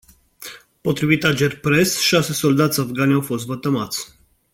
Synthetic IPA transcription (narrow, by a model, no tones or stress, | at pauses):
pɔt̪ɾvʲit̪ad͡ʑɛɾpɾɛsʃasɘsɔld̪at̪savɡanʲafɔzvat̪amat̪s